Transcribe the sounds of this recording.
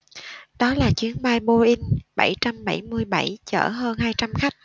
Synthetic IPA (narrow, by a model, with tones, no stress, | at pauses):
ɗɔ˨˦laː˨˩t͡ɕwi˨˦ənɓaː˧jɓo˧ʔi˧ŋ̟ɓa˧˩jt͡ɕa˧mɓa˧˩jmɨ˧əjɓa˧˩jt͡ɕə̰ː˧˩ɦəː˧nɦaː˧jt͡ɕa˧mxa˦˥jk̟̚